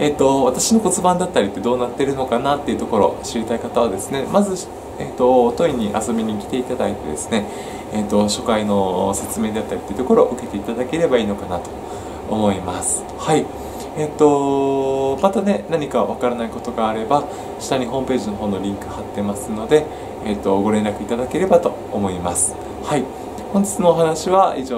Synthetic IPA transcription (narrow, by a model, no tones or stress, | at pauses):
e̞t̪ːo̞βat̪aɕino̞ko̞t͡sɨbãnd̪at̪ːaɾʲit̪ːe̞d̪o̞ːnat̪ːe̞ɾɯ̟no̞kanat̪ːe̞iɯ̟t̪o̞ko̞ɾo̞̰ɕiɾʲit̪aikat̪aβad̪e̞sɨne̞mazɨ | eːt̪o̞t̪o̞iɲ̟iʔa̰so̞bʲiɲ̟ikʲi̥t̪e̞it̪ad̪ait̪e̞d̪e̞sɨ̥ne̞ | et̪ːo̞ɕo̞kaino̞se̞t͡sɨme̞ːd̪e̞at̪ːaɾʲit̪ːeiɯ̟t̪oko̞ɾo̞ʔɯ̟ke̞t̪e̞it̪ad̪ake̞ɾe̞baiːno̞kanat̪o̞̥ː | mo̞imasɨ̥ | hai | et̪o̞ | mat̪ane̞naɲ̟ikaβakaɾanaiko̞t̪o̞ɡaːɾe̞ba | ɕi̥t̪aɲ̟iɦo̞ːmpe̞ːʑino̞ɦo̞ːno̞ɾʲĩŋkɯ̟hat̪ːe̞masɨno̞d̪e̞ | et̪ːo̞ɡo̞ɾẽ̞nɾakɯ̟it̪ad̪ake̞ɾe̞bat̪o̞ːmo̞imasɨ̥ | hai | hõɲ̟d͡ʑi̥t͡sɨnoːɦanaɕiβaiʑoː